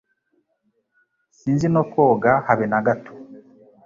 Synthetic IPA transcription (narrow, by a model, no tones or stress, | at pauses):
siːnzinokoːɡahaβenaɡatʰo̥